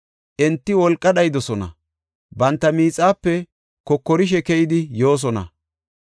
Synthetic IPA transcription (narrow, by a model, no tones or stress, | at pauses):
ʔɛnt̪ːɪwɔlkʼːɐɗɐjd̪ɔsɔnɐ̰ | bɐnt̪ːɐmiːt͡sʼːaːpːɛ | kɔkːɔɾɪʃ̬ɛkɛjɪd̪ɪjo̞ːs̬ɔnɐ̰